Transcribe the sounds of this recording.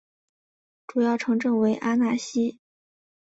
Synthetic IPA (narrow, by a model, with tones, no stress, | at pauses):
ʈ͡ʂu˨˩jɑ˥˩ʊʈ͡ʂʰɤ˧˥ŋʈ͡ʂɤ˥˩ŋwe˧˥ɪʔa˥na˧˥ɕi˥